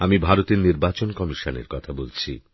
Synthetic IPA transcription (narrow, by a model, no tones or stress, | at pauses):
amibʱaɾot̪eɾniɾbat͡ɕonkɔmiʃonḛɾkɔt̪ʰabolt͡ɕʰi